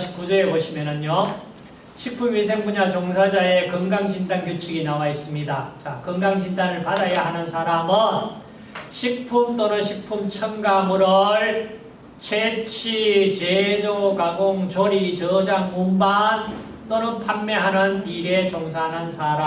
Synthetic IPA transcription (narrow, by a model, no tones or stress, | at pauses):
ɕʰi̥k͈ud͡ʑʌeboɕʰimjʌnɯno | ɕʰik̚pʰumɥisʰeŋbuɲat͡ɕoŋsʰad͡ʑae̞kɯŋɡaŋd͡ʑindankjot͡ɕʰiɡinawais͈ɯmɲidat͡ɕakɯŋɡaŋd͡ʑindanɯɭpadajaɦanɯnsʰaɾamɯn | ɕʰik̚pʰumt͈onɯnɕʰik̚pʰumt͡ɕʰʌŋɡamuɾoɭ | t͡ɕʰet͡ɕʰit͡ɕed͡ʑokaɡoŋt͡ɕoɾit͡ɕʌd͡ʑaŋmumban | t͈onɯnpʰanmːeɦanɯniɾet͡ɕoŋs̬ʰaɦanɯnsʰaɾa